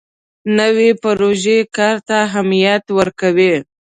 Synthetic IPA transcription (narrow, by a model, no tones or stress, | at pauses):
nəwepaɾoʒekɑɾt̪aɦamijat̪wəɾkawe